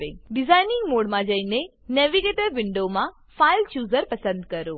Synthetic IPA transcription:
ḛɖɪzaːjnɪ̃ŋɡmoːɽmãd͡ʒəine | neːʋiɡeːʈəɾʋɪɳɖomã | faːilt͡ʃuːzəɾpɐsə̃nd̪kəɾoː

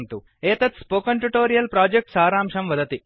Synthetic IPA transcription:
mt̪u | eːt̪ɐt̪spoːkɐɳʈuʈoːɾijɐlpɾaːd͡ʒek̚ʈsaːɾaːmʂɐmʋɐd̪ɐt̪i

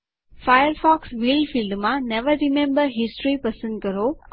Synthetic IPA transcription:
fajəɾfɔːksʋilɖfilɖmãnɛʋəɾɾɪmẽmbəɾɦɪsʈɾipɐsə̃nd̪̚kɐɾo

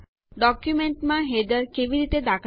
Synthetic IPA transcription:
ɖɔkjumeɳʈmãɦed̪əɾkeʋiɾit̪ed̪akʰ

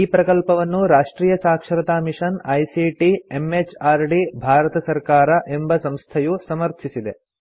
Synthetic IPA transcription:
iːpɾɐkɐlpɐʋɐnːuɾaːʂʈɾiːjɐsaːkʂɐɾɐt̪aːmiʂɐnɐjsiːʈiemet͡ʃaːɾɖibʱaːɾɐt̪ɐsɐɾkaːɾɐʔe̞mbɐsɐmst̪ʰɐjusɐmɐɾt̪ʰisid̪e̞

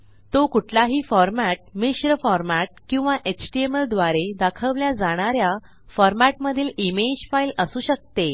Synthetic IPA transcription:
t̪okuʈʰlaɦiːfɔɾmæʈ̚miɕɾəfɔɾmæʈ̚kĩw̃ʋaʔet͡ɕʈieməld̪ʋaɾed̪akʰəʋljad͡zaɽ̃aɾja | fɔɾmæʈməd̪ʱiːlimed͡ʑfailəsuːɕək̚t̪e

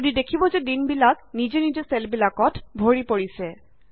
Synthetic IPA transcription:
didekʰibɔzɛdinbilaknizenizesɛlbilakɔtbʱoɹipoɹisɛ

